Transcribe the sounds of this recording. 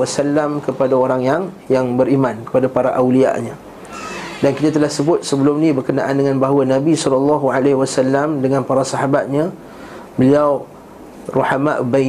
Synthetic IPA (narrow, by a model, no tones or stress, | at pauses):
asalːamkəpadaoɾaŋjaŋ | jaŋbəɾimãnkə̥padapaɾaʔawlia̰ʔɲã | dankit̪at̪əlahsəbʊt̪̚səbəlʊmnĩbərkəna̰ʔandəŋãnbaɦwənabisɔlalːɑɦualehwasalːamdəŋãnpaɾasaɦabat̪̚ɲa | bəliaw | ruħamaʔba